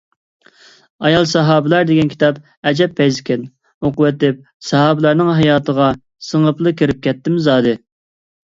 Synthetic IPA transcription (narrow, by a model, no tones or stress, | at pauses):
ɑjɑlˠsɑɦɑːbɪlæɾd̪ɪɡʲɛnkʲʰi̥t̪ʰɑp | ɛd͡ʒɛpʰːɛjzɪkʲʰɛn | oqʊwɛt̪ɪp̚ | sɑɦɑːbɪlæɾnɪŋɦɑjɑːt̪ʰəʁɑ | səŋəplˠɨkʲiɾɪp̚kʲɛt̪ːɪmzɑːd̪ɨ